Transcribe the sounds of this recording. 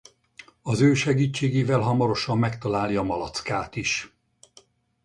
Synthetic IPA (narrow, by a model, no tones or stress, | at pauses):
ɒzøːʃɛɡiːt͡ʃːeːɡeːvɛlɦɒmɒɾo̞ʃɒmːɛkt̪ɒlaːljɒmɒlɒt̪skaːt̪iʃ